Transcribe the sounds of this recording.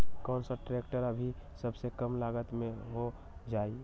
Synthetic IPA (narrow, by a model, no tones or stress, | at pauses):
kɔːnsaʈɾekʈəɾabʱisəbsekəmlaɡət̪mẽɦo | d͡ʒaːi